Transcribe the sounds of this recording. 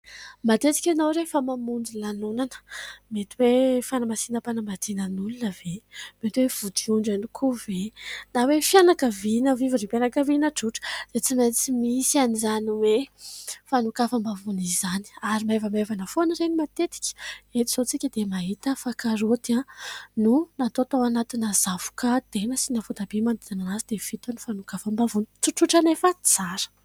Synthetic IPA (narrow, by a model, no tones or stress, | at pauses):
mat̪et̪i̥kʲanowɾefəmamund͡zilanunanə̥met̪iwefanamasinəpanamat̪inənulunəvemet̪iwev̥ud̪iuɳɖ͡ʐanikʰuvenawefjanakəvinəviviɾipjanakəvinəʈ͡ʂuʈ͡ʂə̥d̪̥et͡simat͡simisianizaniwe | fanukafəmbavunizani̥aɾimevəmevanəfonɾenimat̪et̪i̥kʲə̥et̪iz̥ot͡sikʲəd̪emaɦit̪əfakaɾot̪anunat̪ot̪awanat̪inazavu̥kat̪enəsinafud̪abimand̪izananazid̪ev̥it̪anufanukafəmbavunit͡siʈ͡ʂuʈ͡ʂanefət͡saɾə̥